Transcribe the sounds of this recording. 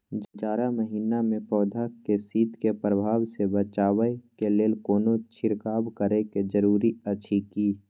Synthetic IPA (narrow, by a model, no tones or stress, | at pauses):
d͡ʒəd͡ʒaːɾaməɦiːnamẽpɔːd̪ʱakesiːd̪ʱkepɾəbʱaːwsebət͡ʃaːwəkeleːlkoːnot͡ʃʰɪɾkaːbkəɾeked͡ʒəɾuːɾiət͡ʃʰikiː